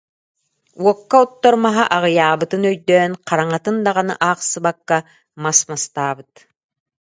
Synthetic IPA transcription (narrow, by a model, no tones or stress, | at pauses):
wɔkːaut̪ːɔɾmɑɦɑʔɑʁɤ̆jɑːβɯ̆t̪ɯnœjd̪œːnqɑɾaɴɑt̪ɯnd̪ɑʁɑnɯ̰ʔɑqsɯ̆βakːa | masmast̪ɑːβɯt̪